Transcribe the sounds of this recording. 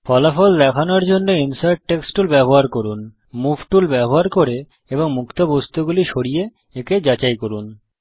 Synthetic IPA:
fɔlafɔld̪ɛkʰanoɾd͡ʑonːoinsaɾʈʈːeksʈulbɛboɦaɾkoɾun | mubʱʈulbɛboɦaɾkoɾe | eboŋmukt̪obost̪uɡuliʃoɽije | eked͡ʑat͡ɕajkoɾun

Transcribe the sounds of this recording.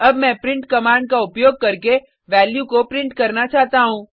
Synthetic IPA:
ɐbmɛ̃ːpɾɪ̃ɳʈkɐmaːɳɖ̚kaʊpjoːɡ̚kɐɾke | ʋɛːljukopɾɪ̃ɳʈkɐɾnat͡ʃaːɦt̪aɦũː

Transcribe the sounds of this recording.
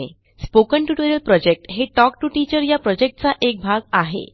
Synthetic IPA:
e | spokəɳʈuʈoɾəlpɾɔd͡ʑek̚ʈɦeʈɔk̚ʈuʈit͡ɕəɾjapɾɔd͡ʑek̚ʈ̚t͡saʔek̚bʱaɡaɦḛ

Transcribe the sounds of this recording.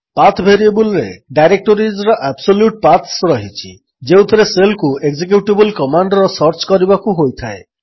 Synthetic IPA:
pat̪ʰbʱeɾiebulɾḛɖajɾek̚ʈoɾid͡ʒɾɔʔabsoljuʈ̚pat̪ʰsɾɔɦit͡ʃʰḭ | d͡ʒewt̪ʰɔɾeselkueɡd͡ʒek̬juʈibulkɔmaɳɖɔɾɔsɔɾt͡ʃkɔɾibakuɦojt̪ʰae

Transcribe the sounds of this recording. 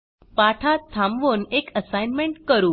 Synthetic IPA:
paʈʰat̪ʰːãmʋonekəsajnmeɳʈkəɾuː

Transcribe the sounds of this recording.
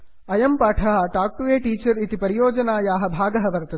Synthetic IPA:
ɐjɐmpaːʈʰaːɦɐʈaːk̚ʈuʋeːʈiːt͡ʃɐɾit̪ipɐɾijoːd͡ʒɐnaːjaːɦɐ̆bʱaːɡɐɦɐʋɐɾt̪ɐ

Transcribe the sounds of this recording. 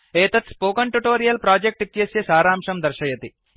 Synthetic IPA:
eːt̪ɐt̪spoːkɐɳʈuʈoːɾijɐlpɾaːd͡ʒek̚ʈit̪jɐsjɐsaːɾaːmʂɐmd̪ɐɾʃɐjɐt̪i

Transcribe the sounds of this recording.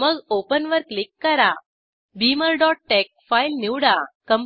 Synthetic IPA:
məɡopənʋəɾklikːəɾa | biməɾɖɔʈ̚ʈek̚fajlniwɽakəm

